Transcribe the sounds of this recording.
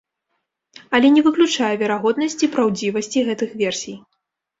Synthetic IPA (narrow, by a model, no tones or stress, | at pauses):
ɐlʲɛnʲɛvɨklʲut͡ʂajɛvʲɛɾaɣɔd̪nɐsʲt͡sʲipɾawd͡zʲivɐsʲt͡sʲiɣɛt̪ɨxvʲɛrsʲij